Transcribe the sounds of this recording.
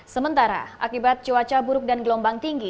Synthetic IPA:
səmənt̪aɾa̰ʔa̰kibat̪̚t͡ʃəwat͡ʃabuɾʊk̚danɡəlɔmbaŋt̪iŋɡi

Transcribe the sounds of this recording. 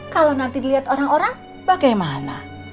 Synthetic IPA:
kalonant̪idiliat̪oɾaŋoɾaŋ | b̥aɡajmana̰

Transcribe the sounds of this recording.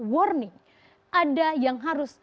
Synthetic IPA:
wɔrnɪŋ | ʔadajaŋɦaɾʊs

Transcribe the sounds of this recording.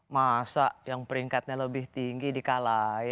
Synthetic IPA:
masaʔjaŋpəɾiŋkat̪̚ɲaləbɪht̪iŋɡidikalaj

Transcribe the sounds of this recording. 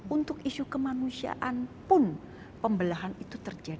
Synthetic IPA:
unt̪ʊkisukəmanusia̰ʔanpʊn | pəmbəlaɦanit̪ut̪ərd͡ʒad

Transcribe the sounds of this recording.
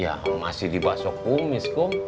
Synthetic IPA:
ja̰ma̰sɪhdibasɔk̚ːuŋmiskʊŋ

